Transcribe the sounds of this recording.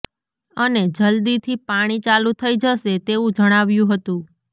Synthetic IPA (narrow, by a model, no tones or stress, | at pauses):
əned͡ʒəld̪it̪ʰipaɽ̃it͡ʃalũt̪ʰəid͡ʒəʃet̪eũd͡ʒəɽ̃aʋjũɦət̪ũ